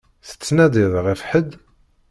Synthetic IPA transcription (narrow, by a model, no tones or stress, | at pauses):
θə̥t͡sːnæd̪iðʁifħəd̪